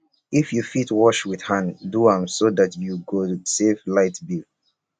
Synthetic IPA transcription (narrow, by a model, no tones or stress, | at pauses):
ifjufitwɔʃwið̥hãnduãmsoðatjuɡoseflaɪtbil